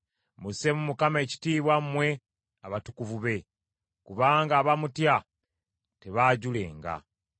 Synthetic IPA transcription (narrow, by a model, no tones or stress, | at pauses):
musemumukamae̞ci̥tiːβwammwe̞ | aβatukuvuβe̞ | kuβaːŋɡaːβamutja | te̞βaːɟule̞ːŋɡa̰